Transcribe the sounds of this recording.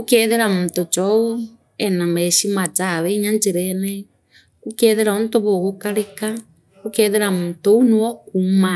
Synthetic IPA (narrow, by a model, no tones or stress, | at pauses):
okeðeɾamutot͡ʃɔu | enameʃimat͡saβeɲant͡ʃeɾenɛ | kukeðeɾaontoβoɣokaɾeka | kokeðeɾamutounuokuma